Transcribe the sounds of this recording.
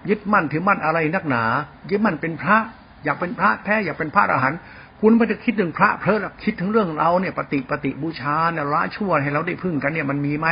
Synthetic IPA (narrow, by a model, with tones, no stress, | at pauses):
jɯ˦˥t̪̚ma˧˩nt̪ʰɯː˨˩˦ma˧˩nʔa˧ɾa˧jna˥˩k̚naː˩˦jɯ˦˥t̪̚ma˧˩npe˧npʰɾa˦˥ʔ | jaː˨˩k̚pe˧npʰɾa˦˥ʔp̪ʰɛː˦˥˩jaː˨˩k̚pe˧npʰaː˦˥˩t̪ʔa̰ː˧ɦa˩˦n | kʰu˧˨nbaː˧˥˩t͡ɕa˧˩kʰi˦˥t̪̚nɯ˧˩ŋpʰɾa˦˥ʔpʰɾɤ˧˦˥ʔlɛ˧˩kʰi˦˥t̪ʰːɯ˨˩˦ŋɾɯ˥˩əŋ˧ɾʔa˧wniː˥˩ɐpa˧t̪i˨˩ʔpa˧t̪i˨˩ʔbuː˧˩t͡ɕʰaː˧lɛ˧˩wɾaː˦˥t͡ɕʰu˥˩əha˨˩jɾa˧wda˧˩jpʰɯ˧˩ŋka˧nːi˥˩ɐma˧nmiː˧ma˦˥